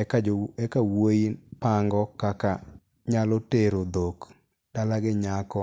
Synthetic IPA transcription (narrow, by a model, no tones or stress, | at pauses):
kaɛkawoinpaŋɡɔkaka | ɲalɔteɾod̪ok | d̥alaɡɪɲakɔ